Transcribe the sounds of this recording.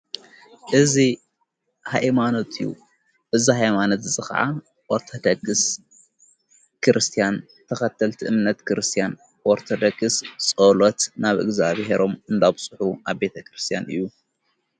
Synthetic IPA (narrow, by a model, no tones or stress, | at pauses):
ʔɨzi | haʔmanot̪ʰʼɨjːṵ | ʔɨzihajmanot̪zɨxɐ̰ʕa̰ | wɔɾt̪ʰɐd̪ɐɡɨs | kʰɨɾɨst̪ʰijan | t̪ʰɐxɐt̪ʰːɐlt̪ʰiʔɨmnɐt̪kʰɨɾɨst̪ʰijan | ʔɔɾt̪ʰɐd̪ɐɡɨst͡sʼolot̪naβʔɨ̰ɡzaβɦe̞ɾo̞mɨnd̪aβsʼɨħuaβbe̞t̪ʰɐkɾɨst̪ʰijanʔɨ̰jːu